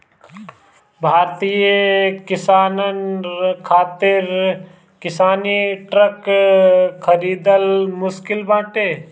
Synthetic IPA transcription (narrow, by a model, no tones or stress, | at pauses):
bʱaːɾt̪ijekɪsaːnənkʰaːt̪ɪɾ | kɪsaːniʈɾək | kʰəɾiːd̪əlmʊskɪlbãːʈeː